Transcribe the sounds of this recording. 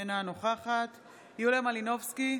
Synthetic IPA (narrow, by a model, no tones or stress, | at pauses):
enanoχaχat̪ | julemalino̞fski